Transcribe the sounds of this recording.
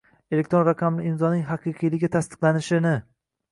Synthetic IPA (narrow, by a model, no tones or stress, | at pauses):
elek̚ʲt̪ɾonɾaqʰɑmlɪɪnzɒnɪŋɦaqʰɨjqʰɨjlɪɡʲat̪ʰast̪ɨ̥qlˠanɪʃɪnɪ